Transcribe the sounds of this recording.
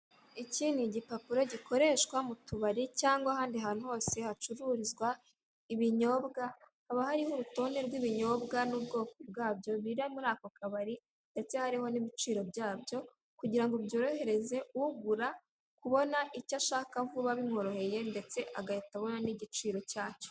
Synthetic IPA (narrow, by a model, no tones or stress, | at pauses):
iciːniɟipapiɾo̞ɟiko̞ɾe̞ːʃkwamutuβaɾicaːŋɡwahaːndiɦaːn̥uɦo̞ːse̞hat͡ʃuɾuɾizɡwa | iβiɲo̞ːbɡa | haβahaɾihoɾuto̞ːnde̞ɾɡwiβiɲo̞ːbɡanubɡo̞ːkobɡaːbjo̞βiɾamuɾaːko̞kaβaɾi | nde̞t͡se̞haɾiho̞niβit͡ʃiːɾo̞bjaːbjo̞ | kuɟiɾaŋɡubjo̞ːɾo̞he̞ɾe̞ze̞uɡuɾa | kuβo̞naʔicaʃaːkavuβaβimŋo̞ɾo̞he̞je̞nde̞t͡se̞ʔaɡajataβo̞naniɟit͡ʃiːɾo̞caːco̥